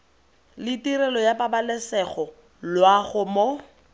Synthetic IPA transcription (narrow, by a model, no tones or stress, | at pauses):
lɪtiɾɛlɔjapabalɛsɛχɔ | lwaχʊmo